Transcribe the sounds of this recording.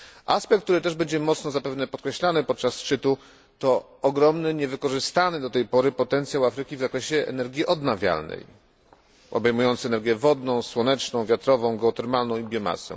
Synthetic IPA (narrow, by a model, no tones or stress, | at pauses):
ʔaspɛkt̪t̪uɾɘt̪ɛʐbɛɲd͡ʑɛmɔt̪snɔzapɛvnɛpɔt̪̚kɾɛɕlanɘpɔt̪̚t͡ʂasʂt͡ʂɘt̪u | t̪ɔː | ɡɾɔmnɘɲɛvɘkɔʐɘst̪anɘd̪ɔt̪ɛjpɔɾɘpɔt̪ɛnt̪sjawafɾɘkʲivzakɾɛɕɛʔɛ̰nɛɾɡʲiʔɔd̪navʲja̰lnɛ̰j | ɔ̰bɛjmujɔnt̪sɘɛnɛɾɡʲjɛvɔd̪nɔ̃w̃swɔnɛt͡ʂnɔ̃w̃vʲjat̪ɾɔvɔ̃w̃ɡɛɔt̪ɛɾmalnɔ̃w̃ibʲjɔma̰sɛ̰̃